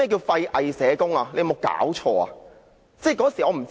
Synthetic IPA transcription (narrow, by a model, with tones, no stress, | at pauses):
ɛ˥˩k̬iː˧wfɐ˧jʔɐ˧jsɛː˨˧˥kʊ˥ŋaː˧le˧jɐ˧mo˨˧wka̰ː˨˥wt͡ʃʰɔː˧a̰ː˧ | t͡sɛː˥˩kɔː˨˥˨ŋsi˨ɔː˨˧m̩˨˩t͡s